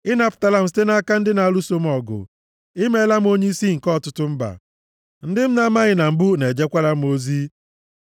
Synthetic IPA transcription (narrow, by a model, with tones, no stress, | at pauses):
ɪ˦n˦pta˨la˨m̩˨ste˦na˦ka˦n̩˦dɪ˦na˨a˨lu˦so˦m̩˦ɔ˨ɡʊ̰˨ | ɪ˦me˦la˦m̩˦o˦ɲe˦i˦si˦ŋ̩˨kɔ˦˨tʊ˦tʊ˦m̩˦ba̰˨ | n̩˦dɪ˦m̩˦na˦ma˦ɣɪ˨na˨m̩˦bʊ˦ne˨d͡ʒe˦kʷa˦ɾa˦m̩˦o˦zi˦